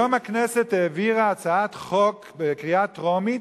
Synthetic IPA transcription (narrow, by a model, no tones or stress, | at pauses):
omakneset̪eːviʁaat͡saatχok | bekʁiatʁomi